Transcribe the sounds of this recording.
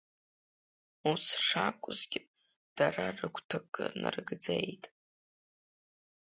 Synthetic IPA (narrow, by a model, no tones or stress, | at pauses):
usʂakʷʼʊzɡʲɪ | d̥ararɨkʷʰtʰɨkʼːɨnɨ̰rɡd͡zejtʼ